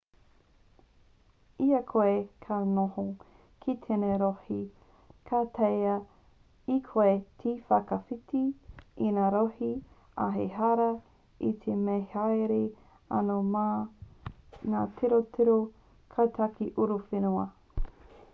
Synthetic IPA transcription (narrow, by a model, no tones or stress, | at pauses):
iɐkʰoekʰanoho | kʰitʰeneɾohi | kʰatʰejɐ | ikʰoetʰifɐkɐfitiinaːɾohi | a̰ɦeɦaɾɐ | it̪ʰemehajɾe | ɐ̰noma | ŋaːtʰeɾotʰeɾo | kʰat̪ʰakiʔuɾufenuɐ